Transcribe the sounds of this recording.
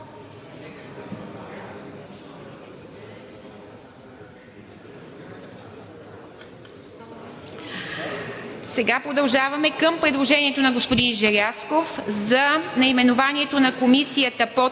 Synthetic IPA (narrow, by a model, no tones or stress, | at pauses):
sɛɡapɾod̪ɐlˠʒavɐmɛkəmpɾɛd̪lˠoʒɛniɛt̪onɐɡospod̪inʒɛɾʲaskofzɐnɐimɛnovaniɛt̪onɐkomisijət̪əpo